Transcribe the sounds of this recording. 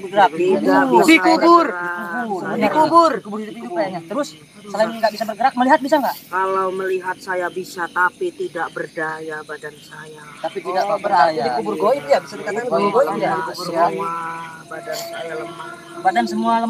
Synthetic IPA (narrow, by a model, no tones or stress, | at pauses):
bəɡəɾak̚iadikubʊrdikuburdikubʊrkubʊrdit̪ukk̪uajaɲat̪əɾʊs | səlaimaŋɡaʔbisabərɡəɾak̚məliɦat̪̚bis̬aŋɡaʔkalawməliɦat̪̚sajabisat̪apit̪idaʔbərdajabadansaja | t̪apit̪idaʔbəɾaajadikubʊrɡoit̪jabisat̪əkanankubuɡoidaikuaabadansajaləma | badansəmualəm